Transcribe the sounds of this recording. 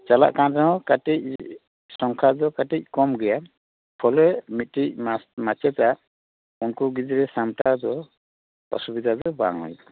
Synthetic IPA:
t͡ʃala̰ʔkanɾaɦɔ̃katic̚ | sɔŋkʰadɔkatic̚kɔmɡɛja | pʰɔlɛmit̪̚tic̚mat͡ʃɛta | unkuɡid͡ʒiɾɛsamtadɔ | ɔ̰subid̪ʱadɔba̰ŋɔ̰j

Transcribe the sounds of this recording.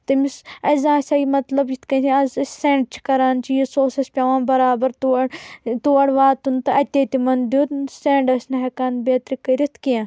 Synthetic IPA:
t̪ɐmisɐzãːsʲaːimɐt̪lɐbjit̪ʰkɐsĩɐzseːɳɖ̚t͡ʃʰi̥kɐɾaːnt͡ʃʰijisoːsɐspʲaʋãːnbɐɾaːbɐɾt̪uɐɽt̪uɐɽʋaːt̪unt̪ɐɐt̪ʲet̪imɐnd̪ut̪seːɳɖɐsnɐɦɐkaːnbeːt̪ɾikɐɾit̪ʰkijã

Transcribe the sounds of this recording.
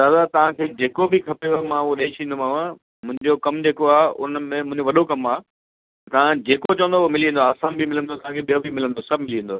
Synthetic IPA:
d̪aːd̪at̪ɐʋ̤ãkʰeːd͡ʑeːkobɪkʰɐpjomãoɗeːt͡ɕʰĩːnd̪omaːʋã | mʊ̃ɦɪ̃ɲd͡ʑokɐmd͡ʑeːkoaːɦʊnəmẽmʊ̃ɦɪ̃ɲd͡ʑoʋɐɗokɐmaː | ɐt̪ɐʋãd͡ʑeːkot͡ɕɐʋə̃nd̪omɪlĩnd̪oaːsaːnbʱimɪlə̃nd̪ot̪ɐʋ̤ãkʰeɓijobʱimɪlə̃nd̪osɐbʱmɪliẽːnd̪oː

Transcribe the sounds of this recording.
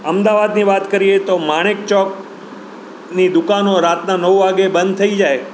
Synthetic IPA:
əmd̪aʋad̪niʋat̪kəɾiet̪omaɽ̃ek̚t͡ʃɔk | nid̪ʊkanoɾat̪nanəʋʋaɡebə̃nd̪̚t̪ʰəid͡ʒae

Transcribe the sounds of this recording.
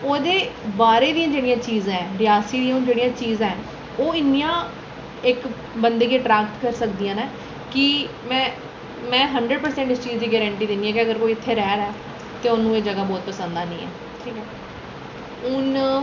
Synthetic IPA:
oːd̪eːbaːɾeːd̪ijãːd͡ʒeːɽijãːt͡ʃiːzãːɛːɾɪjaːsiːd̪iaːʊ̃nd͡ʒeːɽijãːt͡ʃiːzãːɛː | oːɪnːijãː | ɪk | bənd̪eːkeːʈɾɛːk̚t̪kəɾsəkd̪iːãːnãː | kɪ | mɛ̃ː | mɛ̃ːɦəɳɖɾəɖpəɾsɛ̃ːɳʈɪst͡ʃiːzd͡ʒ̪iːɡɛːɾə̃ɳʈiːd̪eːniːɛ̃ːkiəɡəɾkoːiːɪt̪ʰːeːɾɛːɾɛː | t̪eːʊnːũːeːd͡ʒəɡaːbɔːt̪̚pəsənd̪aːnĩːɛ̰ː | ʈʰiːkɛː | ʊn

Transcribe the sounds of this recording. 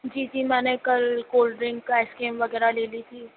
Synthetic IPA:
d͡ʒiːt̪imɛːnekɐlkoːlɖɾɪ̃ŋkːaɪskeːmʋɐɡɛːɾaleːlit̪ʰiː

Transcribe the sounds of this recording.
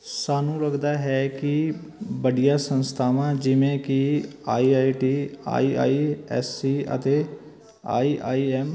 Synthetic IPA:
saːnũːɾəkd̪aːɦɛːkibəɽijãːsə̃nst̪ʰaːʋãːd͡ʒɪʋẽkiaːiːaːiʈiːa̰ːiːa̰ːiɛ̰ːsːiːə̰t̪eː | a̰ːiːʔaːiːɛːm

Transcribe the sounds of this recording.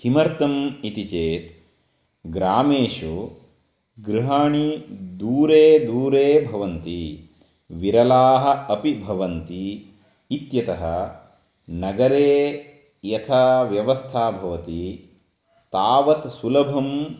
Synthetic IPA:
himɐɾt̪ɐmit̪it͡ʃeːt̪ | ɡɾaːmeːʂu | ɡɾiɦaːɳid̪uːɾeːd̪uːɾeːbʱɐʋɐnt̪i | ʋiɾɐlaːɦɐ̆ɐpibʱɐʋɐnt̪iː | t̪jɐt̪ɐɦɐ | nɐɡɐɾeː | jɐt̪ʰaʋjɐʋɐst̪ʰaːbʱɐʋɐt̪i | t̪aːʋɐt̪sulɐbʱɐm

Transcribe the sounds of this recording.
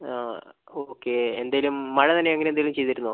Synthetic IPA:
aoːkːeend̪aːjɐlumːɐɻɐt̪ɐnːeɐŋːɐnend̪ajlumt͡ɕejt̪iɾunːo

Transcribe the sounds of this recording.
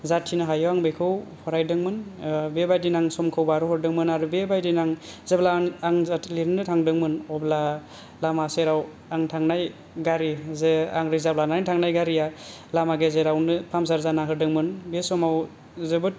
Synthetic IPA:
zatʰinaɦajɔwaŋbejkʰɯwpʰɔɾajdɯŋmɯnbebajdinaŋsɔmkʰɯwbaɾuhɯɾdɯŋmɯnaɾubebajdinaŋzeblaaŋzatʰleɾnɯtʰaŋdɯŋmɯnɔbla | lamaseɾaw | aŋtʰaŋnaj | ɡaɾizea̰ŋɾizablanaŋtʰaŋnajɡaɾija | lamaɡezeɾawnɯpʰamsaɾzanaɦɯɾdɯŋmɯnbesɔmaw | zebɯt̚

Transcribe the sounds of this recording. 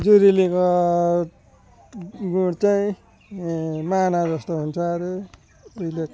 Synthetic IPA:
d͡zuɾiliko | ɡuɽt͡saĩ | manad͡zʌst̪oɦunt͡sʰʌɾe | ʌile

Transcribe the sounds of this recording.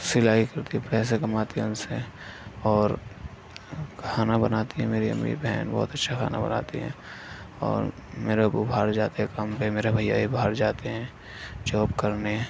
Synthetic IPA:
sɪlaːikɐɾt̪iɦɛ̃pɾɛːs̬ekɐmaːt̪iʊnseɔːɾ | kʰaːnabənaːt̪iɦɛ̃meːɾiə̰mːḭɾbɛɦɛːnbɔ̰ːʊt̪ətːʃʰakʰa̰ːna̰bə̰na̰ːt̪ḭɦɛ̰̃ː | ɔ̰ːɾ | meːɾebubʱaːɾd͡ʒaːt̪eɦɛ̃kəmpemeːɾabʱəjːa̰ibʱaːɾd͡ʒaːt̪eɦɛ̃ː | d͡ʒɔːpkəɾne

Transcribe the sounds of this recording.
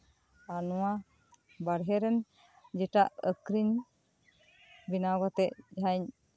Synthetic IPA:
anɔwa | baɾɦɛɾɛn | d͡ʒɛʈaʔəkɾiɲ | binaɡat̪ɛʔd͡ʒɦaɲ

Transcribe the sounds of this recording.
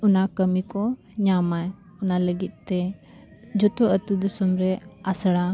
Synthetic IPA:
unakəmikɔ | ɲamaj | unaləɡit̪̚ˀt̪ɛ | d͡ʒɔt̪oʔət̪ud̪usumɾɛasəɽa

